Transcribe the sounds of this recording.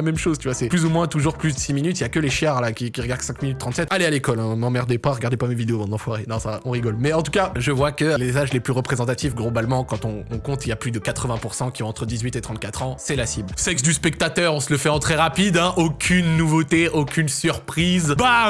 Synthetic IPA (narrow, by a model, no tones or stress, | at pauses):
amɛmʃozt̪yvwasɛplyzumwɛ̃t̪uʒuʁplys̬d̪əsiminyt̪iljakəleʃjaʁlakʲikʲiʁəɡaʁd̪̥sɛ̃kminyt̪ːχɑ̃t̪sɛt̪alealekɔlɛ̃mɑ̃mɛʁd̪epaʁəɡaʁd̪epamevid̪eovɑ̃d̪ɑ̃fwaʁenɔ̃saɔ̃ʁiɡɔlmɛɑ̃t̪ukaʒəvwakəlezaʒleplyʁəpχezɑ̃t̪at̪ifɡlobalmɑ̃kɑ̃t̪ɔ̃ɔ̃kɔ̃t̪iljaplyd̪əkat̪χəvɛ̃puʁsɑ̃kʲisɔ̃ɑ̃t̪χəd̪izɥit̪et̪χɑ̃t̪̚kat̪χɑ̃sɛlasiblsɛks̬d̪yspɛk̚t̪at̪œʁɔ̃sələfɛɑ̃t̪χɛʁapid̪ɛ̃ʔokʲʰynːuvot̪eʔokʲʰynsyʁpχizba